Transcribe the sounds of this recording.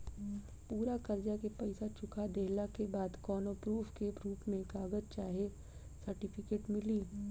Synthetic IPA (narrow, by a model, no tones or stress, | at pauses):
puːɾakɐɾd͡ʒakepɐɪsat͡ʃʊkad̪eːlakebaːd̪kɔːnopɾuːfkeɾuːpmẽkaːɡəd͡ʒt͡ʃaːɦie | sɐɾʈɪpʰɪkeːʈmɪliː